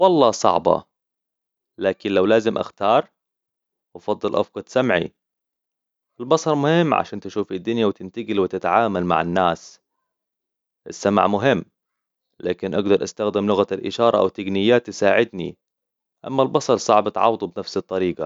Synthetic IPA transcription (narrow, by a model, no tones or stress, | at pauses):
wɑlˤːɑːsˤɑ̰ʕbɑ̰ | laːkɪnlawlaːzɪmʔa̰xt̪ɑːɾˤ | ʔɑfɑd̪ˤːɨlʔɑ̰fqɑd̪samʕḭ | ʔɪlbɑsˤɑɾˤmʊhɪmːʕa̰ʃaːnt̪ɪʃuːfɪd̪ːʊnjawt̪ɪnt̪aɡɪlwɪt̪ɪt̪ʕaːmalma̰ʕɪnːaːs | ʔɪsːama̰ʕmʊɦɪmː | laːkɪnʔaɡd̪ɑɾˤʔa̰st̪axd̪ɪmlʊɣalʔɪʃɑːɾˤɑʔa̰wt̪ːaɡnɪjːaːt̪ːɪsaːʕɪd̪nḭ | ʔa̰mːalbɑsˤɑɾˤsˤɑ̰ʕbɑt̪ʕɑ̰wd̪ˤubnafsɨt̪ˤːɑɾiːɡa̰